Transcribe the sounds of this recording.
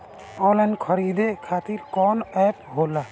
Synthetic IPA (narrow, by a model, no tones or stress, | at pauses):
ɔlankʰɔɾid̪ekʰat̪iɾkɔnɛpɦola